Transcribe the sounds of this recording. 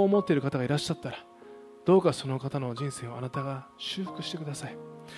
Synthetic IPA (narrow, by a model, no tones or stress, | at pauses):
oːmo̞t̪ːe̞ɾɯ̟kat̪aɡaiɾaɕːat̪ːaɾa | d̪̥o̞ːkaso̞no̞kat̪ano̞d͡ʑĩɰ̃se̞ːo̞anat̪aɡaɕɨ̟ːɸɯ̟̥kɯ̟ɕi̥t̪e̞kɯ̟d̪asai